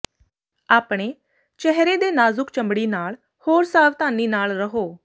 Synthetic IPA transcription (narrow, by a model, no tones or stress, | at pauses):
aːpɽeː | t͡ʃɛɦɾeːd̪eːnaːzʊkt͡ʃəmbɽiːnaːl | hoːɾsaːʋt̪aːniːnaːlɾəɦoː